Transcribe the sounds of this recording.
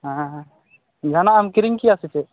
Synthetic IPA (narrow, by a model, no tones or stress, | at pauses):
ɦã | d͡ʒʱanaːmkiɾiŋkiasit͡ʃɛ